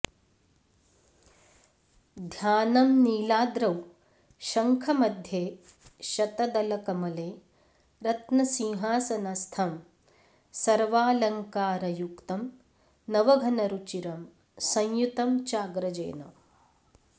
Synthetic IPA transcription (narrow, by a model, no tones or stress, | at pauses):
d̪ʱjaːnɐmniːlaːd̪ɾɐw | ʃɐŋkʰɐmɐd̪ʱjeː | ʃɐt̪ɐd̪ɐlɐkɐmɐleː | ɾɐt̪nɐsĩŋɦaːsɐnɐst̪ʰɐm | sɐɾʋaːlɐŋkaːɾɐjukt̪ɐm | nɐʋɐɡʱɐnɐɾut͡ʃiɾɐm | sɐ̃ŋjut̪ɐmt͡ʃaːɡɾɐd͡ʒḛːnɐ̰